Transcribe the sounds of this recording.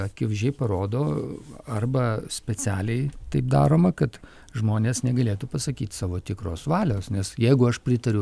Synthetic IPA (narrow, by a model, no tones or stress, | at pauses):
ɐkʲɪʋʒʲɛɪpɐɾoːd̪oːɐrbɐsʲpʲɛt͡sʲæːlʲɛɪt̪ɐɪp̚d̪ɑ̰ːɾoːmɐkɐt̪ | ʒmoːnʲeːsnʲɛɡɐlʲeːt̪upɐsɐkʲiːt̪sɑːʋoːt̪ʲɪkɾoːsʋɑːlʲoːsnʲɛsjɛɪɡʊɐʃpʲɾʲɪt̪ɐɾʲʊ